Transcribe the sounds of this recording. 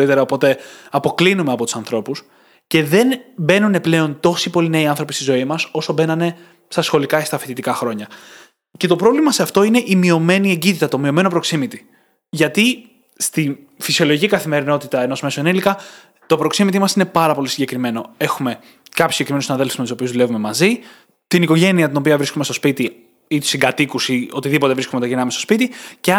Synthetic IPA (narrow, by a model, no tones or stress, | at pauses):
ɾit̪e̞ɾɐopo̞t̪e̞ɐpo̞klinume̞ɐpo̞t̪u̥sɐnθɾo̞pus | ce̞ðe̞nbe̞nune̞ple̞o̞nt̪o̞sipo̞lineiɐnθɾo̞pist̪izo̞imɐso̞so̞be̞nɐne̞ | st̪ɐsxo̞likɐest̪ɐfit̪it̪ikɐxɾo̞ɲɐ | ce̞t̪o̞pɾo̞vlimɐse̞ɐft̪o̞ine̞ʔimio̞me̞nie̞ɲɟit̪it̪ɐt̪o̞mio̞meno̞pɾo̞ksimit̪i̥ | ʝɐt̪i | st̪in | fisio̞loʝicikɐθime̞ɾino̞t̪it̪ɐenozme̞soenilikɐ | t̪o̞pɾo̞ksimit̪imɐsine̞pɐɾɐpo̞lisiɲɟe̞kɾime̞no̞e̞xume̞ | kɐpjsiɟekɾimensinɐðe̞lfuzmest̪iso̞piuzðule̞vume̞mɐzi | t̪iniko̞ʝe̞niɐt̪ino̞piɐvɾiskomest̪o̞spit̪i | it̪u̥siŋɡɐt̪ikusio̞̰t̪iðipot̪evɾiskoumet̪ɐʝinɐmesto̞spit̪ice